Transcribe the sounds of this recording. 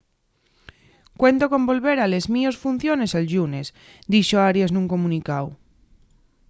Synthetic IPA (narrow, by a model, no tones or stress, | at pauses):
kwe̞nt̪okõ̞mbo̞lβe̞ɾalezmiosfun̟θjone̞salʎune̞s | d̪iʃoaɾjasnuŋko̞mũnikaw